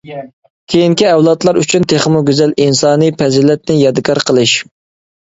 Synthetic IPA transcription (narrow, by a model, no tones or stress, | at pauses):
kʲʰejiŋkʲiɛwlˠɑt̪lˠɑɾyt͡ʃʰynt̪ʰeχmuɡʲyzɛlinsɑːnɨpʰɛzilɛt̪̚nɪjɑd̪ɨkʰɑɾqʰəlˠɨʃ